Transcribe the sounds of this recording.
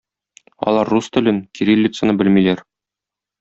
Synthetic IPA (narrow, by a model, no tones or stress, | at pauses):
ɒ̰lˠɑɾːust̪ɘ̆lɘnkʲiɾilʲːit̪sənɤbɘlmilæɾ